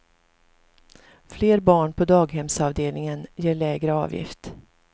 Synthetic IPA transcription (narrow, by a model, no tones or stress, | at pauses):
fleːɾbɑːɳpʰɔd̪ɑːɡɦɛmsɑːvd̪eːlnɪŋənjeːɭɛːɡɾəɑ̰ːvjɪ̰ft̪